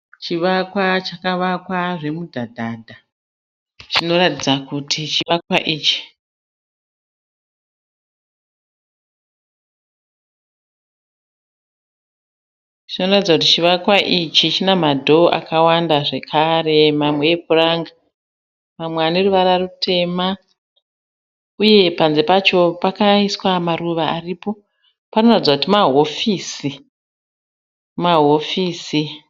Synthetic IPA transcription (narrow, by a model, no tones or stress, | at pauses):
t͡ʃiʋakwat͡ʃakaʋakwaʐe̞mudʱadʱaːdʱa | t͡ʃino̞ratid͡zakutʰit͡ʃiʋakwaʔiːt͡ʃi̥ | t͡ʃino̞ratid͡zakutit͡ʃiʋakwaʔit͡ʃit͡ʃinamadʱo̞ʔa̰kawandaʐe̞kʰare̞mamwe̞epuraŋɡa | mamweaneruʋaɾarutʰe̞ma | uje̞panze̞pat͡ʃo̞pakaiswamaruʋaaripo̞ | panonaid͡zakutimaɦo̞fiːsi | maɦo̞fiːsi